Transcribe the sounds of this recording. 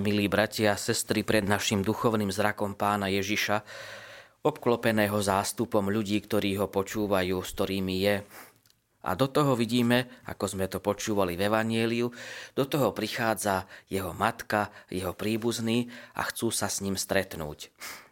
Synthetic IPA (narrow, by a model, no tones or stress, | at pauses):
miliːbɾacɪasɛst̪ɾipɾɛd̪naʃimd̪uxɔʊniːmzɾakɔmpaːnajɛʒiʃa | ɔpklɔpɛnɛːɦɔzaːst̪upɔmʎuɟiːkt̪ɔɾiːɦɔpɔt͡ʃuːʋajuːskt̪ɔɾiːmijɛ | ʔa̰d̪ɔt̪ɔɦɔʋiɟiːmɛa̰kɔzmɛt̪ɔpɔt͡ʃuːʋalivɛʋaɲɪɛliud̪̥ɔt̪ɔɦɔpɾixaːd͡zajɛɦɔmat̪kajɛɦɔpɾiːbuzniːa̰xt͡suːsasɲimst̪ɾɛt̪nṵːc